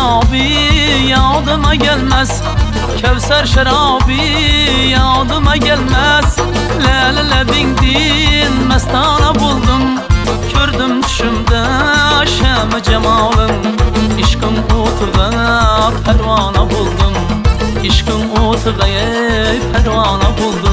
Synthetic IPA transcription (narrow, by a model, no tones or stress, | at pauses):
ɑbi | jɑd̪ɨmɑkʲʰælmæs | kʲʰæwsæɾʃaɾɑːbi | jɑd̪ɨmɑkʲʰælmæs | lælɪlæbɪŋd̪ij | nmæst̪ɑːnɑbolˠd̪ɨm | kʲʰøɾd̪ɪm | ʃymd̪ɛ | ʃæmɛd͡ʒɛmɑːlˠɨŋ | iʃkɪŋoːt̪ʰɨʁɑ | pʰæɾwɑːnɑbolˠd̪ɨm | iʃkɪŋot̪ʰɨʁɑje | pʰæɾwɑːnɑbolˠd̪ɨ